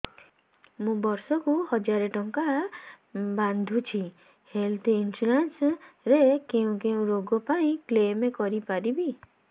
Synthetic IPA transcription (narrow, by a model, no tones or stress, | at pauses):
mũbɔɾsɔkuhɔd͡ʒaɾeʈɔŋka | band̪ʱut͡ʃʰi | helt̪ʰinsulensɾekeũkeũɾoɡɔpaĩklemekɔɾipaɾibi